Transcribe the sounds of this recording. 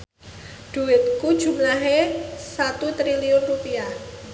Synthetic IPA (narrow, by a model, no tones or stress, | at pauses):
ɖ̥ṳɪt̪̚kud̥ʒ̥ṳmlaɦesat̪ut̪ɾiliʊnrupia